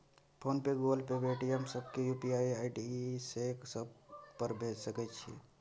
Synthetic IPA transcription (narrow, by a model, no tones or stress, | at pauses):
pʰoːnpeɡoːlpebeːʈʰiɦəmsəb̚kejupiaːiaːɪɖiseksəb̚pəɾbʱeːd͡ʒsəkɛt͡ʃʰḭ